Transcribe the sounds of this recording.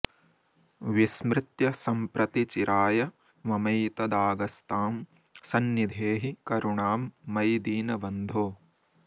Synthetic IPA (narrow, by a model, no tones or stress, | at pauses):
ʋismɾɪt̪jɐsɐmpɾɐt̪it͡ʃiɾaːjɐ | mɐmɐjt̪ɐd̪aːɡɐst̪aːm | sɐnːid̪ʱeːɦikɐɾuɳaːmːɐjd̪iːnɐʋɐnd̪ʱoː